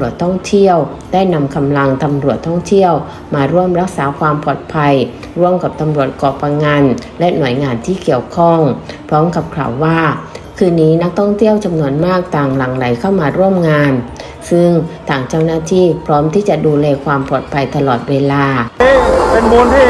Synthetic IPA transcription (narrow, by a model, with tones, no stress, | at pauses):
u˨˩ət̪ʰːɔ˥˩ŋt̪ʰi˥˩əw | daː˥˩jna˧mkʰa˧mla˧ŋt̪a˧mɾu˨˩ət̪ʰːɔ˥˩ŋt̪ʰi˥˩əw | maː˧ɾu˥˩əmɾa˦˥k̚saː˩˦kʰwaː˧mpʰɔː˨˩t̪̚pʰa˧j | ɾu˥˩əmka˨˩p̚t̪a˧mɾu˨˩ət̪̚kɔː˨˩pːa˧ŋa˧nlɛ˦˥nu˨˩ə˦jŋaː˧nt̪ʰiː˥˩ki˨˩əwkʰɔ˥˩ŋpʰɾɔː˦˥mka˨˩p̚kʰla̰ː˨˩wːaː˥˩kʰɯː˧nːiː˦˥na˦˥k̚t̪ʰɔ˥˩ŋt̪ʰi˥˩əwt͡ɕa˧mnu˧ənmaː˥˩k̚t̪aː˨˩ŋla˨˩ŋla˩˦jkʰa˥˩wmaː˧ɾu˥˩əmŋaː˧n | sɯ˥˩ŋt̪ʰaː˨˩ŋt͡ɕa˥˩wnaː˥˩t̪ʰiː˥˩pʰɾɔː˦˥mt̪ʰiː˥˩t͡ɕa˨˩duː˧lɛː˧kʰwaː˧mpʰɔː˨˩t̪̚pʰa˧jt̪a˧lɔː˨˩t̪̚weː˧laː˧˥ | e˧nbo˧n˥˩